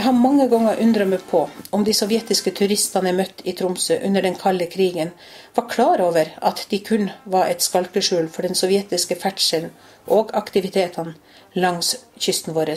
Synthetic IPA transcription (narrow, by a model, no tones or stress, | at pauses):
ɦɑmɑŋːəɡɔŋːəɾʔʉnd̪ɾɑməpʰɔɔmd̪ɪsɔʋjɛt̪ɪskət̪ʰʉɾɪst̪ɑnəmœt̪ːɪt̪ʰɾʊmsøʔʉnːəɖɛnkʰɑlːəkʰɾiːɡən | ʋɑɾkʰlɑːɾoːʋəɾɑt̪d̪̥ɪkʰʉnːʋɑɾʔɛt̪skɑlkəʂʉːlfɔɖɛnsɔʋjɛt̪ɪskəfæʈʂən | ʔoːɡɑkt̪ɪʋɪt̪ʰeːt̪ʰɑn | lɑŋsçʏst̪n̩ʋoːɾə